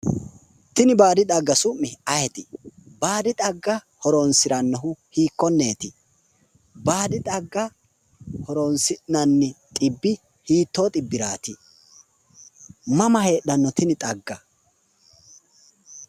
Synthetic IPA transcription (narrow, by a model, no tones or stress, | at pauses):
t̪ɪnɪbaːd̪ɪt̪ʼɐɡːɐsʊmːɪɐjɛt̪ɪbaːd̪ɪt̪ʼɐɡːɐ | hɔɾonsɪɾɐnːɐɦʊhiːkːɔnːe̞ːt̪ɪ | baːd̪ɪt̪ʼɐɡːɐ | hɔɾonsɪnɐnːɪt̪ʼɪbːɪ | hiːt̪ːoːt̪ʼɪbːɪɾaːt̪ɪ | mɐmɐhe̞ːɗɐnːɔt̪ɪnɪt̪ʼɐɡːɐ